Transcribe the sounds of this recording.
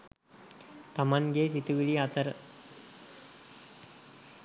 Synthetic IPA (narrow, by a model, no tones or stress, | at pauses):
t̪amanɡeːs̬it̪uʋiɭiat̪əɾə